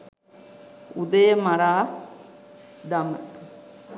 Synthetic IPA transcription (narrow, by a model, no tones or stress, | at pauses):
ud̪əjəmaɾaː | d̪amə̰